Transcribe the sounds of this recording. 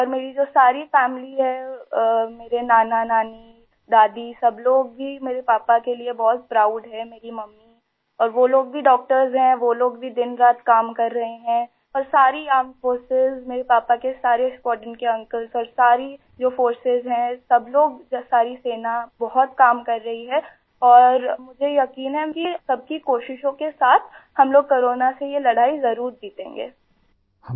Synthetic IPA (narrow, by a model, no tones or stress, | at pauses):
ɔːɾmeːɾid͡ʒoːsaːɾifɛːmliɦɛ | meːɾenaːnanaːni | d̪aːd̪isɐbloːɡ̚bʱimeːɾepaːpakeliebɔɦʊt̪̚pɾaːʊɖɦɛmeːɾimɐmːi | ɔːɾʋoloːɡ̚bʱiɖɔːk̚ʈəɾzɦɛ̃ʋoloːɡ̚bʱid̪ɪnɾaːt̪kaːmkɐɾːɐɦeɦɛ̃ | ɔːɾsaːɾiaːmfoːɾsɪzmeːɾepaːpakesaːɾeskwɔːʈənkeɐ̃ŋkəlzɔːɾsaːɾi | d͡ʒoːfoːɾsɪzɦɛ̃sɐbloːɡsaːɾiseːnabɔɦʊt̪kaːmkɐɾːɐɦiɦɛː | ɔːɾmʊd͡ʒʱejɐkiːnɦɛkisɐb̚kikoːʃɪʃõkesaːt̪ʰhɐmloːɡ̚koːɾoːnasejelɐɽ̤aːizɐɾuːɾd͡ʒ̪iːt̪ḛ̃ːŋɡḛː | hɐ